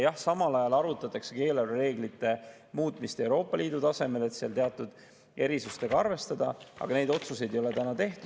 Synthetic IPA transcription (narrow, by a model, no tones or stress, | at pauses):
jɑhsɑmɑlɑjɑlɑɾut̪ːˑɑt̪ːˑɑkseke̞ːlelre̞ːɡlit̪ːˑe̞ | muːt̪ːˑmist̪e̞wɾo̞ːpːˑɑliːd̪̥ut̪ɑse̞me̞le̞t̪seɑlt̪eɑt̪ːˑud̪̥ | e̞ɾisust̪eɡ̥ɑɑɾve̞st̪ɑd̪̥ɑʔɑ̰ɡ̥ɑne̞jd̪o̞t̪suse̞jd̪ejo̞le̞t̪ænɑt̪e̞ht̪u̥